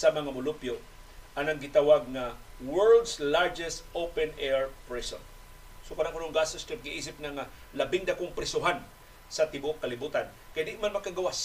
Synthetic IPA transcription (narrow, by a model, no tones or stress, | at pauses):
sɐmɐŋamʊlʊpjo | ʔanaŋɡɪt̪awaɡ̚ŋa | wɛɹld̪slaɹd͡ʒɛst̪ʔowpɛnɛɹpɹɛso̰n | sokanaŋunoŋɡasost̪ɾɪp̚ɡɪʔiːs̬ɪp̚naŋalɐbɪŋd̪akoŋpɾɪsʊɦan | sɐt̪ɪboʔkːɐlɪbuːt̪an | kajnd̪ɪʔmanmɐkːaɡawas